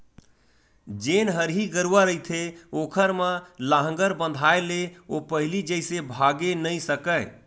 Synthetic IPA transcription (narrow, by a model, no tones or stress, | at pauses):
d͡ʒenɦəɾɦiɡəɾuwəɾəit̪ʰeokʰəɾməlaɦə̃ŋɡəɾbə̃nd̪ʱaeleopəɦilid͡ʒəjsebʱaɡenəjsəkə